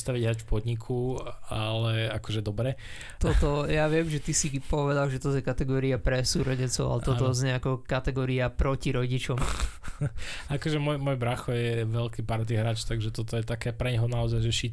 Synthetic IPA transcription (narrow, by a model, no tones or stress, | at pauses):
st̪aʋiɟɦɾaːcfpɔd̪ɲikʰualɛakɔʒɛd̪ɔbɾɛ | t̪ɔt̪ɔjaʋɪɛmʒɛt̪isipɔʋɛd̪alˠʒɛt̪ɔzjɛkat̪ɛɡɔːɾiapɾɛsuːɾɔɟɛnt͡sɔʊa̰lɛt̪ɔt̪ɔzɲɛakɔkat̪ɛɡɔːɾiapɾɔciɾɔɟit͡ʃɔm | akɔʒɛmɔjmɔjbɾaxɔjɛʋɛlkipaɾt̪iɦɾaːt͡ʃt̪aɡʒɛt̪ɔt̪ɔjɛt̪akɛːpɾɛɲɦɔnaɔzajʒɛʃi